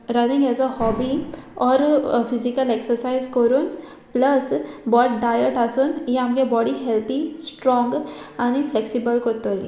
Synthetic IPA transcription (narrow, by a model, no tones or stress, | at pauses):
ɾənĩŋɡɛd͡zɔhɔbiɔɾfizikəleksəɾsaizkəɾuːn | pləsbɔʈɖajəʈasuːnɦiamkẽbɔɽiɦelt̪ʰisʈɾɔ̃ŋɡaɽ̃ifleksibəlkɔt̪oli